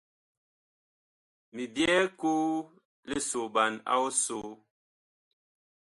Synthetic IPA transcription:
mi˨bjɛ˦koː˦ | le˦so˨ba˨na̰˦o˦so˨˦

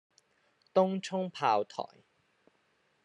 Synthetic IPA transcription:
t̪ʊ˥ŋt͡ʃʰʊ˥ŋpʰaː˧wt̪ʰɔ̰ː˨˩j

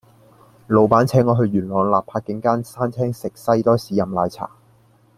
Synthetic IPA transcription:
lo˨˧wpaː˨˥nt͡sʰɛː˨˥ŋːɔː˨˧ɦɵ˧ɥyː˨˩nlɔː˨˧ŋlaː˨pʰːaː˧t̚kɪ˨˥ŋkaː˥nsaː˥nt͡sʰɛː˥ŋsɪ˨k̚sɐ˥jt̪ɔː˥siː˨˧˥jɐ˨˧mlaː˨˧jt͡sʰa̰ː˨˩

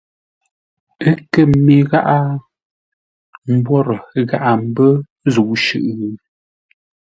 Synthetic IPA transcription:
ə˦kə˨me˨ɣa˦ʔa˦ | m̩˦bwɔ˦ɾə˨ɣa˦ʔa˦˨m̩˦bə˦ | zu˨ʔʃʉ̰˦˨ʔɣ

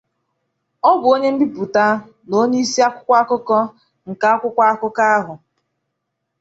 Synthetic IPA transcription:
ɔ˦bʊ˨o˦ɲe˦m̩˦di˦bu˨ta˦ | no˦ɲe˦i˦si˦a˦kʷʊ̥˦kʷa˦a˦kʊ˦kɔ˦ | ŋ̩˨ka˨a˦kʷʊ˦kʷa˦a˦kʊ˦ka˦a˦ɦʊ˨

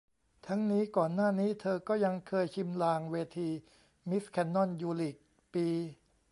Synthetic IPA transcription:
t̪ʰa˦˥ŋniː˦˥kɔː˨˩nːaː˥˩niː˦˥t̪ʰɤː˧kɔː˥˩ja˧ŋkʰɤː˧jt͡ɕʰi˧mlaː˧ŋweː˧t̪ʰiː˧ | mi˦˥skʰɛ˧nːɔ˥˩njuː˧li˨˩k̚ | piː˧

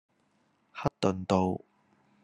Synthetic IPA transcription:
hɐ˥t̚t̪ːɵ˨nt̪o˨˧w

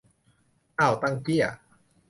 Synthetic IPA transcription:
ʔa˥˩wt̪a˥˩ŋki˥˩ɐ

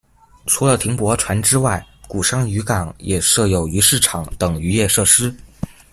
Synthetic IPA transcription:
ʈ͡ʂʰu˧˥lə˧t̪ʰi˧˥ŋpwɔ˧˥ʈ͡ʂʰwa˧˥nʈ͡ʂɻ̩˥wa˥˩ɪku˨˩ʂɑ˥ŋy˧˥kɑ˨˩˦ŋjɛ˨˩ʂɤ˥˧jo˧˨˩ʊy˧˥ʂɻ̩˥˩ʈ͡ʂʰɑ˨˩ŋt̪ɤ˨˩ŋy˧˥jɛ˥˧ʂɤ˥˩ʂɻ̩˥

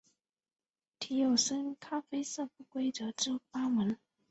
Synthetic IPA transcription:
t̪ʰi˧˥jo˨˩ʊsə˥nkʰa˥fe˥ɪsɤ˥˩pu˥˩kwe˥ɪt͡sɤ˧˥ʈ͡ʂɻ̩˥˩pa˥mə˧˥n

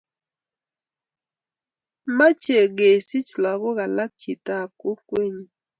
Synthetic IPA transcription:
ma˦t͡ʃe˨ɡe˨si˦t͡ʃla˨ɣo˦ɣa˨la˦k̚t͡ʃʰi˨ta˦˨p̚ko˦kwe˦ɲi˨

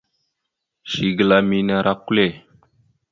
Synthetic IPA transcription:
ʃi˨ɡə˨la˦mi˦na˦ɾʔa˦kːu˦le˦˨

